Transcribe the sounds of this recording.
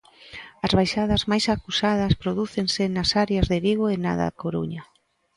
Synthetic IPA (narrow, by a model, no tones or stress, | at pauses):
ɐzβajʃaðɐzmajsakusað̞ɐspɾoðuθeŋsɪnasaɾeɐzðeβiɣ̞oena̰ða̰koɾṵɲa